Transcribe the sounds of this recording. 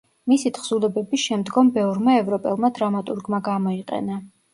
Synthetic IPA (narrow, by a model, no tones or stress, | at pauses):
misit̪ʰχz̥ulɛbɛbiʃɛmd̪ɡɔmbɛvɾmaɛvɾɔpʼɛlˠmad̪ɾamat̪ʼuɾɡmaɡamɔiqʼɛ̰na